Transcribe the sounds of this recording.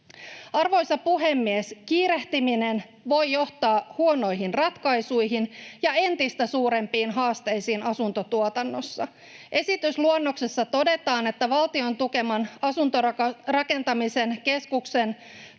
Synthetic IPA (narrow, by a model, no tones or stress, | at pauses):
ɑrʋo̞jsɑpuɦe̞mːieskiːɾe̞ht̪iminen | ʋo̞jjo̞ht̪ɑːhuo̞no̞jɦinrɑt̪kɑjsujɦinjɑe̞nt̪ist̪æsuːɾe̞mpiːnɦɑːst̪e̞jsiːnɑsunt̪o̞t̪uot̪ɑnːo̞sːɑ | ʔe̞sit̪ysluonːo̞ksesːɑt̪o̞de̞t̪ɑːne̞t̪ːæʋɑlt̪io̞nt̪uke̞mɑnɑsunt̪orɑke̞nt̪ɑmise̞nke̞skukse̞n